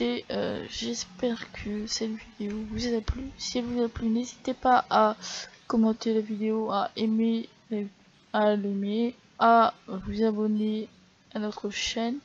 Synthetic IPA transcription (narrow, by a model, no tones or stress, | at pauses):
eø̰ʒɛspɛʁkʰəsɛt̪vid̪eovuzaplysiɛlvuzaplynezit̪epaʔakɔmɑ̃t̪elavid̪eoaʔeme | l | aleme | avuzabɔne | anɔt̪χəʃɛn